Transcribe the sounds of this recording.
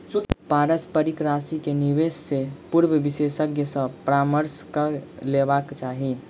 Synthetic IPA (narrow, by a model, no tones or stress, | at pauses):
paːɾəspəɾikɾaːsikeniʋeːsːepuɾbəbisesəɡjəsə̃pɾaːməɾskəlebaːkt͡ʃaːɦi